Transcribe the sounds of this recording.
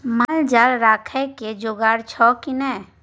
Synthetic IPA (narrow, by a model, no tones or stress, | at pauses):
mald͡ʒaɾɾaːkʰɛked͡ʒoːɡaːɽt͡ʃʰɔkinɛː